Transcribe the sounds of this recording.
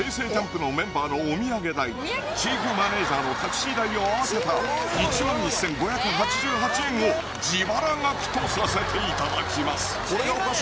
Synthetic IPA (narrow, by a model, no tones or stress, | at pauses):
e̞ːse̞ːd͡ʑãmpɯ̟no̞mẽ̞mbaːno̞ːmʲiaɡe̞d̪ai | t͡ɕiːɸɯ̟mane̞ːʑaːno̞t̪aki̥ɕiːd̪aio̞aase̞t̪ait͡ɕimãɲisẽ̞ŋɡo̞çjakɯ̟ɦat͡ɕiʑɨːɦat͡ɕiẽ̞ŋ̃o | d͡ʑiβaɾãŋɡakɯ̥t̪osɨɾasat̪ʰe̞it̪ad̪akʲimasɨ̥